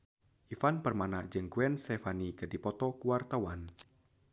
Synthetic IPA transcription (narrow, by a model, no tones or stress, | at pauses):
ʔifanpərmanaʔd͡ʒɨŋkuɛnst̪ɛfanikədipɔt̪ɔkuwart̪awan